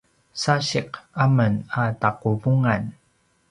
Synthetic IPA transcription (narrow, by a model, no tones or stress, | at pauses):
saɕiqamənataqubuŋan